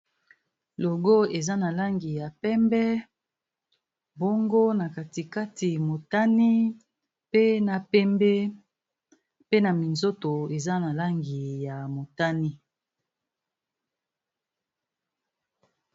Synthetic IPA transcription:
lo˨ɡo˦e˨za˦na˨la˦ŋɡi˨ja˨pɛ˦mbɛ˦ | bo˦ŋɡo˦na˨ka˨ti˨ka˦tʰi˨mo˨ta˦ni˦ | pe˦na˨pɛ˦mbɛ˦ | pe˦na˨mi˨nzo˦to˨e˨za˦na˨la˦ŋɡi˨ja˨mo˨ta˦ni˦

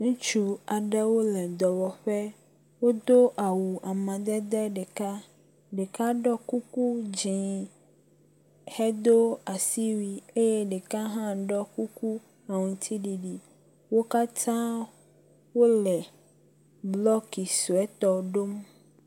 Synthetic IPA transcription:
nũ˦t͡ʃu˦a˨ɖɛ˦wo˦lɛ˨d̪ɔ˨wɔ˨ɸɛ˦ | wo˦d̪o˦ʔa˨wu˨ʔa˨mã˨d̪ɛ˦d̪ɛ˦ɖe˨ka˦ | ɖe˨ka˦ɖɔ˦ku˦ku˦d͡ʒĩ˨ | hɛ˦d̪o˦a˨si˦wi˦e˦je˦ɖe˨ka˦ɦã˦ɖɔ˦ku˦ku˦ | a˨ŋũ˨t̪ʰi˦ɖi˨ɖi˦ | wo˦ka˦t̪ʰã˦ | wo˦lɛ˨ | blɔ˦ki˨su˨ɛ˦t̪ɔ˦ɖo˦m

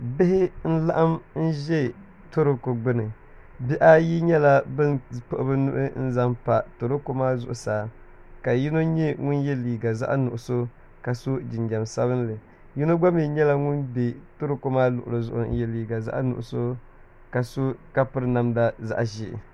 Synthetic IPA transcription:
bɪ˦hɪ˦n̩˦la˦ʔa˦mn̩˦ʒɛ˦˨ | to˦ɾo˨ko˨ɡ͡bɨ˦nɨ˨ | bi˦ʔa˦ji˦ɲɛ˦la˦bɨ˦npo˦ʔʊ˦bɨ˦nʊ̰˦ʔɨ˦n̩˦za˦mpa˨to˨ɾo˦ko˦maː˦zʊ̰˨ʔʊ˨saː˨ | ka˨ji˦no˦ɲɛ˦ŋʊ˦njɛ˦liː˨ɡa˨za̰˦ʔa˦nʊ˨ʔʊ˨so˦ | ka˨so˦d͡ʒɪ˨nd͡ʒa˨msa˦βɨ˦nlɨ˨ | ji˦no˦ɡ͡ba˦mi˨ɲɛ˦la˦ŋʊ˦nbe˨to˦ɾo˦ko˦maː˦lʊ̰˨ʔʊ̰˨lo˨zʊ˦ʔʊ˨n̩˦jɛ˦liː˨ɡa˨za̰˦ʔnʊ̰˨ʔʊ˨so˦ | ka˨so˦ka˦pɨ˦ɾɨ˦na˦˨mda˦za̰˦ʔʒɪ̰˨

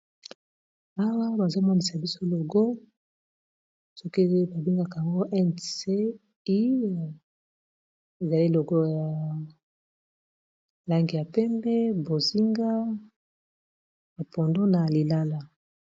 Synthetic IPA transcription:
a˦wa˦ba˨zo˦mɔ˦ni˨sa˨bi˦so˦lo˨ɡo˦ | sɔ˦ke˦ba˨bi˦ŋɡa˨ka˨ja˨ŋɡo˦ʔɛ˦nse˦ | i˦ | e˨za˨li˦lo˨ɡo˦ja˨ | la˦ŋɡi˨ja˨pɛ˦mbɛ˦bo˨zi˦ŋɡa˦ | ba˨po˨ndo˦na˨li˨la˦la˨

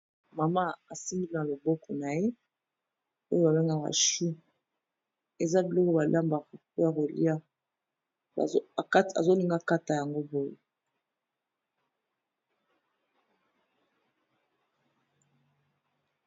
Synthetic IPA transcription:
ma˨ma˦a˨si˦mbi˦li˦na˨lo˨bɔ˦kʰɔ˨na˨je˦ | o˦jo˦ba˨be˦ŋɡa˦˨ka̰˨ʃu˦ | e˨za˦bi˨lɔ˦ko˦ba˨la˦mba˨o˨pja˨ko˨lḭ˦a˦ | a̰˨˦˨ka˦ta̰˨zo˦li˦ŋɡa˦ka˦ta˨ja˨ŋɡo˦bo˦jḛ˨

